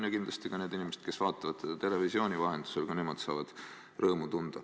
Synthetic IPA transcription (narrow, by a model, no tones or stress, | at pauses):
njɑkind̪lɑst̪ikɑne̞ːd̪inimesed̪̥ke̞svɑːt̪ːˑɑvɑd̪̥sed̪̥ɑt̪e̞le̞visio̞ːnʲivɑɦe̞nd̪̥u̥se̞lkɑnemod̪̥sɑːvɑd̪̥ | rɤːmut̪und̪̥ɑ